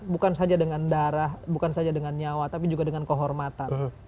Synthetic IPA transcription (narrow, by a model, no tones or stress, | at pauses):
bukansad͡ʒadəŋandaɾahbukansad͡ʒadəŋanɲawat̪apid͡ʒuɡadəŋankəɦɔrmat̪ann